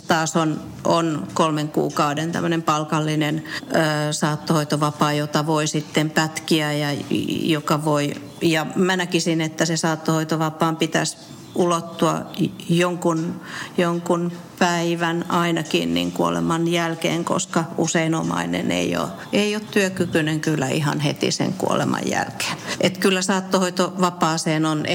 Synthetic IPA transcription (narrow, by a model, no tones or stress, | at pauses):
t̪ɑːson | ʔonkolmeŋkṵːkɑudent̪æ̰mːønempɑlkɑlːinenː | sɑːt̪ːohoit̪oʋɑpɑːjot̪ɑʋoisit̪ːempæt̪kiæjɑjokɑʋoi | jɑmænækisinet̪ːæsesɑːt̪ːohoit̪oʋɑpɑːmpit̪æ̰s | ulot̪ːuɑ̰joŋkunjoŋkun | pæiʋænɑinɑkinnḭŋkuolḛmɑnjælkḛːŋko̰skɑuseinomɑ̰inḛnḛio̰ | eiot̪t̪yøkykyneŋkylːæʔihɑ̰nhet̪ḭsḛŋkṵo̰lḛmɑ̰jjæ̰lke̥ːnʔet̪kylːæsɑːt̪ːohoit̪oʋɑpɑːseːnon